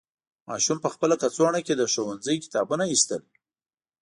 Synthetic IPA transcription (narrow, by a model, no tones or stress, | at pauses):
mɑ̰ʃumpəxpəlakat͡swɑɳaked̪əʃowanzəjkɪ̥t̪ɑbunaist̪əl